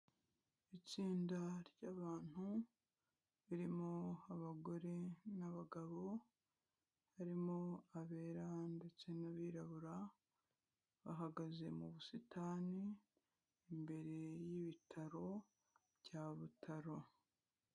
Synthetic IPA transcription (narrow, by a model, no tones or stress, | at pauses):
it͡siːndaɾɟaːβaːn̥hu | βiɾimo̞aβaɡo̞ɾe̞naβaɡaβo̞ | haɾimo̞aβe̞ːɾande̞t͡se̞naβiɾaβuɾa | βaɦaɡaze̞muβusitaːni | mbe̞ɾe̞jiβitʰaɾo̞ | βɟaβutʰaɾo̞